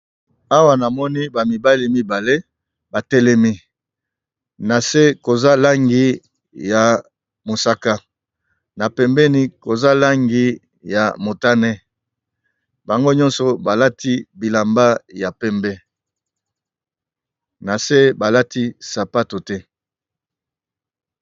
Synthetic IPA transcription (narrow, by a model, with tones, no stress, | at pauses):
a˦wa˨na˨mɔ˦ni˦ba˨mi˨ba˦li˨mi˦ba˨le˦ | ba˨tɛ˦lɛ˦mi˦ | na˨se˦ko˨za˦la˦ŋɡi˦ | ja˨ | mo˨sa˦ka˦ | na˨pɛ˨mbɛ˦ni˦ko˨za˦la˦ŋɡi˦ | ja˨mo˨ta˦nɛ˦ | ba˨ŋɡo˦ɲɔ̃˦nsɔ˨ba˨la˦tʰi˦bi˨la˨mba˦ja˨pɛ˦mbɛ˦ | na˨se˦ba˨la˦ti˦sa˨pa˦to˨tɛ˦